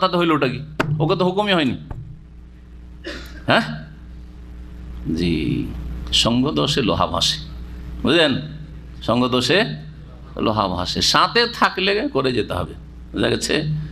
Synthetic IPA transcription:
t̪at̪eɦojlooʈakioket̪̬oɦokumijɦɔjni | ɦɛ̃ | d͡ʑḭ | ʃɔŋɡod̪oʃelo̰ɦa̰bʱa̰ʃe̥ud͡ʑen | ʃɔŋɡod̪oʃe | lo̰ɦa̰bʱa̰ʃeʃãt̪et̪ʰaklekoɾed͡ʑet̪eɦɔ̰be | ud͡ʑa̰ɡet͡ɕʰḛ

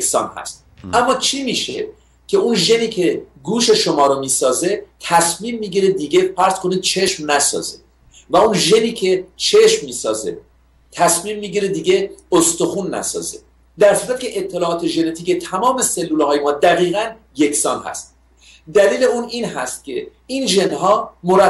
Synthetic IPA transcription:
eksɒ̰ːnhæ̰st̪̚æmːɒːt͡ʃʰimiːʃe | cʰe̞unʒe̞niːcʰe̞ɡuːʃe̞ʃomɒːɾomiːsɒːze̞t̪ʰæsmiːmːiːɟiɾed̪iːɡe̞fæɾz̥kʰo̞niːd̪̥̚t͡ʃʰe̞ʃmnæsɒ̰ːzḛ | væunʒe̞niːcʰe̞t͡ʃʰe̞ʃmːiːsɒːze̞̰ | t̪ʰæsmiːmːiːɟiɾed̪iːɡe̞ost̪oxunːæ̰sɒ̰ːzḛ | d̪æɾsuːɾæt̪̚cʰe̞ʔet̪ʰːe̞lɒːʔɒːt̪ʰe̞ʒe̞ne̞t̪ʰiːcet̪ʰæmɒːme̞se̞lːuːlhɒːjemɒːd̪æɣiːɣæn | je̞kʲsɒːnhæ̰st̪̚ | d̪æliːle̞uːniːnɦæst̪̚cʲʰe̞inʒenɦɒːmoɾæ

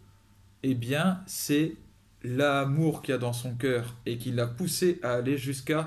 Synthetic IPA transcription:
ebjɛ̃sɛ | lamuʁkʲiad̪ɑ̃sɔ̃k̬ʲœːʁekʲilːapuseʔaːleʒyska

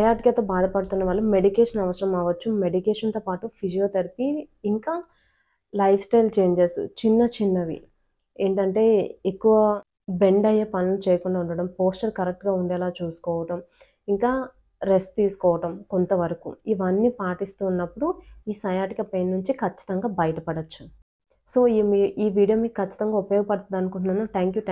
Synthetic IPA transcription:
sɐjaːʈikɐt̪oːbaːd̪ɐpɐɽut̪unːɐʋaːɭːume̞ɽikeːʂɐnɐʋɐsɐɾɐmaːʋɐt͡ʃːume̞ɖikeːʂɐnt̪oːpaːʈupʰid͡ʒijoːt̪ɐɾipiːŋkaː | lɐjfʰsʈɐjlt͡ʃe̞ːɲd͡ʒɐɾst͡ʃinːɐt͡ʃinːɐʋḭ | e̞ːɳʈɐɳʈe̞ːekːuʋɐ | be̞ɳɖɐjeːpɐnɐlut͡ʃɛːjɐkuɳɖaːuɳɖɐɽɐmpoːsʈɐɾkɐɾek̚ʈɡaːuɳɖɛːlaːt͡ʃuːsu̥kɔːʋɐʈɐm | iŋkaː | ɾe̞sʈ̚t̪iːsu̥kɔːʋɐʈɐmkont̪ɐʋɐɾɐkṵiʋɐnːipaːʈist̪uːnːɐpːuɽuiːsɐjaːʈikɐpeːnːuɲt͡ʃikʰɐt͡ʃːi̥t̪ɐŋɡaːbɐjɐʈɐpɐɽɐt͡ʃːu̥ | so̞ːiiːʋiːɽijɐːmikɐt͡ʃːi̥t̪ɐŋɡaːupɐjoːɡɐpɐɽɐt̪ɐd̪ɐnukuɳʈunːaːnuʈ̪ʰaːŋkju

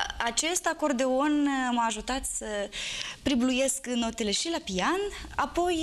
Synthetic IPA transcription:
at͡ʃe̞st̪ako̞rd̪eo̞nməaːʒut̪at̪səpɾibluje̞skno̞t̪e̞le̞ʃilapianapo̞j

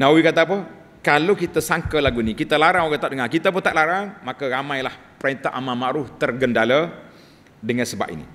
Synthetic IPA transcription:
nawikat̪ap̬ə | kalokit̪asaŋkəlaɡunikit̪alaɾaŋoɡat̪aʔdəŋakit̪ap̬ʊnt̪aʔlaɾaŋmakaɾamãjlah | pɾant̪aʔamamaɾʊft̪ərɡəndala | dəŋansəba̰ʔḭnḭ

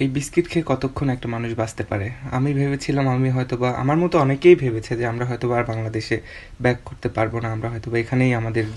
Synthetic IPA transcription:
ejbiskiʈkʰekɔt̪okʰːonɛk̚ʈamanuʃbast̪epa̰ɾea̰mibʱeβet͡ɕʰilamamiɦɔet̪obaʔa̰maɾmɔt̪oɔnekejbʱebet͡ɕʰed͡ʑeamɾaɦɔjt̪obaɾbaŋlad̪eʃe | bɛkːoɾt̪epaɾbonaamɾaɦɔet̪obaekʰanejamad̪eɾ

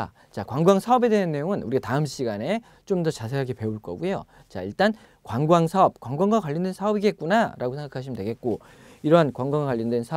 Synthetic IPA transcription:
t͡ɕakwaŋɡwaŋsʰaʌbe̞deɯnːe̞joŋɯnuɾiataɯmɕ͈iɡane̞ | t͡ɕomdʌt͡ɕasʰe̞ɦaɡepe̞uɭk͈ʌ̰ɡujo̰ | t͡ɕa̰iɭt͈an | kwaŋɡwaŋsʰaʌp̚kwaŋɡwaŋɡwakwaʎːʌndwe̞nsʰaʌbiɡe̞t̚k͈unaɾaɡosʰe̞ŋɡakʰaɕʰimɯndwe̞ɡe̞t̚k͈o | iɾʌnkwaŋɡwaŋakwaʎːʌndwensʰa

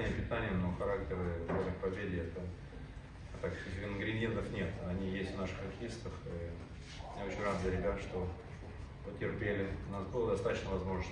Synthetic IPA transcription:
nʲɪjəpʲɪt̪anʲɪjənoxɐɾaktʲɪɾɨamʲɪxpɐvʲedʲɪɛt̪ə | ɐt̪akʲɪsʲkʲɪnɡɾʲɪnʲjent̪əfnʲe̞t̪ɐnʲijesʲtʲvnaʂɨ̥xɐrxʲɪist̪əfi | mjao̞t͡ɕɪnʲrazjaɾʲɪbʲat̪ʂt̪o | pətʲɪrpʲelʲɪʊnasbɨlˠəd̪ɐst̪at̪ə̥ɕnəvɐzmo̞ʐnəs

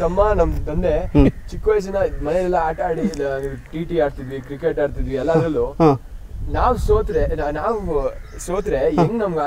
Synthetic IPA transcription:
t̪ɐmːanɐmt̪ɐnd̪e̞t͡ʃikːʋɐjs̬ɐnɐmɐnelɛlːɐaːʈaːɽilʈiːʈiaːɽt̪id̪ʋikɾikeʈaːɖt̪id̪ʋiɛlːaːd̪ɐlːu | naːʋsoːt̪ɾenaːʋ | soːt̪ɾeeŋɡnɐmɡa

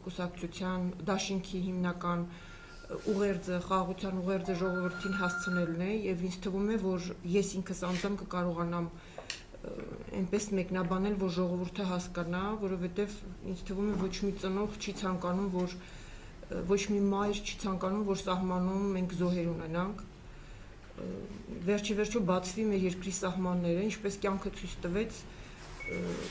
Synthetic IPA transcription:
kusɑkt͡sʰut͡sʰjɑnd̪ɑʃiŋkʰiɦimnɑkɑn | uʁɛɾd͡zəχɑʁɑʁut͡sʰjɑnuʁɛɾd͡zəʒɔʁɔvəɾt̪ʰinɦɑst͡sʰənɛlnɛjɛvind͡zʰt̪ʰəvumɛvɔɾjɛsiŋkʰəsɑnd͡zɑmkəkɑɾɔʁɑnɑm | ɛ̰npɛsmɛkn̪ɑbɑnɛlvɔɾʒɔʁɔvuɾt̪ʰəɦɑskɑnɑvɔɾɔvɛt̪ɛvḭnt͡sʰt̪ʰəvumɛvɔt͡ʃʰmit͡sənɔʁt͡ʃʰit͡sʰɑŋkɑnumvɔɾ | vɔt͡ʃʰmimɑjɾt͡ʃʰi̥t͡sʰɑŋkɑnumvɔɾsɑɦmɑnumːɛŋkʰzɔɦɛɾunɛnɑŋkʰ | vɛrɾt͡ʃʰivɛɾt͡ʃʰɔbɑt͡sʰvimɛɾjɛɾkɾisɑɦmɑnːɛɾəint͡ʃʰpɛskʲjɑŋkʰət͡sʰujt͡sʰt̪əvɛt͡sʰ

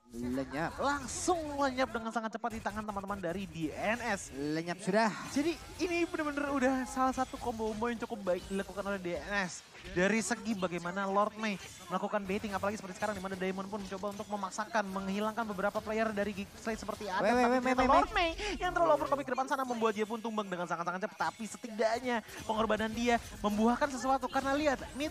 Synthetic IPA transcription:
ləɲap̚laŋsʊŋləɲap̚dəŋansaŋat̪̚t͡ʃəpat̪̚dit̪aŋant̪əmant̪əmandaɾidiɛnɛsləɲap̚sudahd͡ʒadiː | nibənərbənərudahsalahsat̪ukɔmbombɔjaŋt͡ʃukʊp̚baɪk̚dilakukanolɛhdeɛnɛs | daɾisəɡibaɡajmanalɔrt̪̚mej | məlakukanbet̪ɪŋapalaɡisəpərt̪isə̥kaɾaŋdimanadajmɔnpʊnmt͡ʃobaunt̪ʊk̚məmaksakanməŋhilaŋkanbəbəɾapaplajardaɾiɡislat̪səpərt̪iadaaalɔrt̪̚mejjaŋt̪əɾlalɔfɔrkopikədəpansanaməmbuat̪̚diap̬ʊnt̪umbaŋdəŋansaŋansaŋat͡ʃəp̚t̪apisət̪idaʔɲapəŋɔrbanandiaməmbuɦahkansəs̬uat̪ukarnaliat̪̚ni

